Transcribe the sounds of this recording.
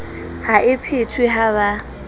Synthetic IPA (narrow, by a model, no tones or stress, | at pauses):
haʔɪpʰɪtʰwɪɦaβa